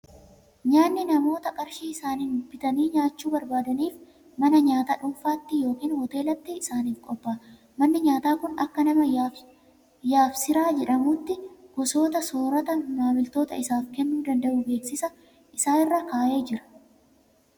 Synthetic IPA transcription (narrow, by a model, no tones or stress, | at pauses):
ɲaːnːɪnɐmo̞ːt̪ɐkʼɐɾʃiːɪsaːninbɪt̪ɐniːɲaːt͡ʃːuːbɐɾbaːd̪ɐniːf | mɐnɐɲaːt̪ɐːᶑʊmfaːt̪ːɪjo̞ːkiːnhɔt̪e̞ːlɐt̪ːɪɪsaːniːfkʼɔbːaː | mɐnːɪɲaːt̪aːkʊnɐ̰kːɐnɐmɐ | jaːfsɪɾaːd͡ʒɛᶑɐmʊt̪ːɪɡ̥ɔso̞ːt̪ɐsoːɾɐt̪ɐmaːmɪlt̪o̞ːt̪ɐ̰ɪsaːfkɛnːuːd̪ɐnd̪ɐʔʊbe̞ːksɪsɐ | ʔɪsaːnɪrːaːkaːʔeːd͡ʒɪɾɐ̥